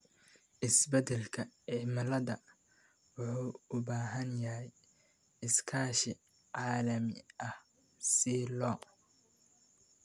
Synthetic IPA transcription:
ʔɪsbɛd̪ɛlkʰɐɪmɐlɐðɐ | wʊħuːʊbaːɦɐnjɐɦɛj | ɪskʰaːʃɪ | ʕɑːlɐmɪʔɐh | silɔː

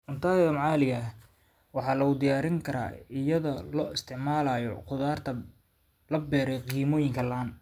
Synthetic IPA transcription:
ʔʊnt̪ʰaːjɐmɑʕɑːlɪɣɐ | wɑħɑːlɐɣʊd̪ɪjaːɾɪŋkʰɐɾa̰ːɪjɐðɐlɔːɪst̪ʰɪʕmaːlaːjɔ̰qʊðaːrt̪ʰɐ | lɐbɛːɾɛjqiːmɔːjɪŋkʰɐlaːn

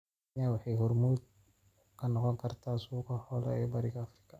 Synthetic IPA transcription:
nɛwɑħɛjhʊɾmuːd̪̚ | kʰɐnɔqɔŋkʰɐrt̪ʰaːsuːkɐhɔlɐ̰ɛːbɐɾɪkɐːfɾɪ̥kʰːɐ

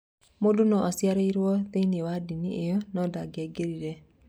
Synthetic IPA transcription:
modonɔʔasjaɾeiɾwɔt̪einewadiniʔejɔnɔdaɡɛɡeɾiɾɛ

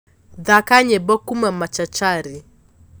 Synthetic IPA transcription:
ðakaɲɛbɔkumamat͡ʃat͡ʃaɾi

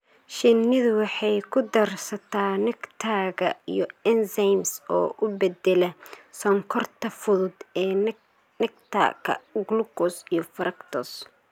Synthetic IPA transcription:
ʃɪnɪðʊwɑħɑjkʰʊd̪ɐrsɐt̪ʰaːnɪɡt̪ʰaːɣɐḭjɔɛnsɐjmsɔ̰ːʔʊbɛd̪ɛlɛsɔŋkʰɔrt̪ʰɐfʊðʊd̪ɛː | nɪɡt̪ʰa̰kʰɐ̰ɡlukɔsijɔfɐɾɐkt̪ʰɔs

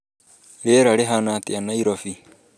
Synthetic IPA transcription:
ɾeːɾaɾeɦanat̪ianaiɾofi

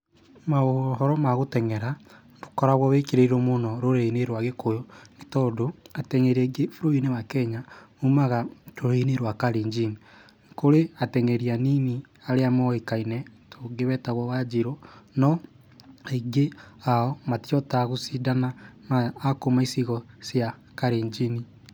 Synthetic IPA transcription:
maoɦɔɾɔmaɣotɛŋɛɾa | ndo̥kɔɾaɣwɔβekeɾeiɾomonɔɾoɾeineɾwaɣekojɔnitɔdoatɛŋɛɾɛɡefuɾoineβakɛɲaumaɣaɾoɾeineɾwakaɾiɲd͡ʒiŋ | koɾeatɛŋɛɾianini | aɾeamɔekainɛtoɡeβɛtaɣɔβad͡ʒeɾonɔ | eɡeaɔmatijɔtaɣosidananaːkomaisiɣɔsjakaɾeɲd͡ʒini

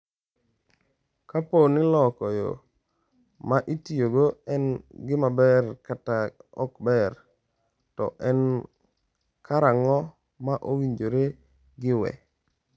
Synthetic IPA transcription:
kaponɪlɔkɔjo̰ | maʔitijoɡoɛnɡɪmabɛrkataɔkbɛɾ | tɔ̰ʔɛn | kʰaɾaŋɔ | maʔowiɲd͡ʒoɾe | ɡɪwɛ̰

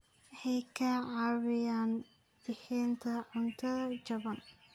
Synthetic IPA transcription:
hɛjkʰɐʕɑβɪjaːn | b̥ɪħɛːnt̪ʰɐʕʊnt̪ʰɐɐd͡ʒɐβɐn

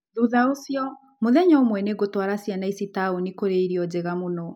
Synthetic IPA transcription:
ðuðaosjɔ | moðɛɲɔomwɛneɡotwaɾasjanaisitaonikoɾeiɾiɔd͡ʑeɣamonɔ

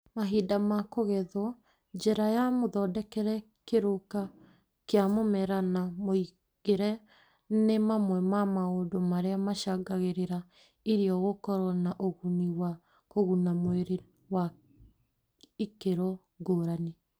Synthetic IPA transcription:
maɦidamakoɣɛðwɔ | d͡ʑɛɾajamoðɔdɛkɛɾɛ | keɾoka | keamomɛɾanamoi | ɣeɾɛ | nemamwɛmamaodomaɾeamaʃaɡaɣeɾeɾa | iɾiɔɣokɔɾɔnaʔoɣuniwa | koɣunamoeɾe | wa | ikeɾɔ | ɡoːɾane

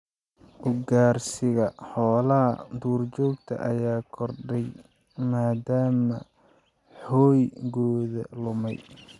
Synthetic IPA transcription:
ʔʊɡaːrsɪɣɐħɔːlɐɦɐ̰d̪uːrt͡ʃɔːɡt̪ʰɐ̰ʔɐjaːkʰɔrɖɛj | maːd̪aːmɐ | ħɔːjɣɔːðɐ̰lʊmɛj

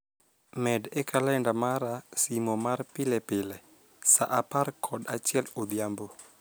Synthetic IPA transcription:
mɛdɛkʰalɛndamaɾasimomarpɪlɛpɪlɛ | saʔaparkʰɔdat͡ʃɪɛlobjambo

